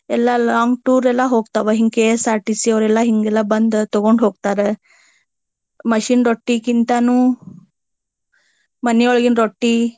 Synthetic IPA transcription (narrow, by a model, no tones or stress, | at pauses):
ɛlːalaːŋɡʈuːɾɛlːaɦoːɡt̪aʋeɦiŋɡkesaːʈisiɐʋɾɛlːaɦiŋɡɛlːabɐnd̪t̪ɔɡoɳɖɦoːɡt̪aɾe | mɐʃiːnɾoʈːikint̪anũː | mɐnjoɭɡinɾoʈːi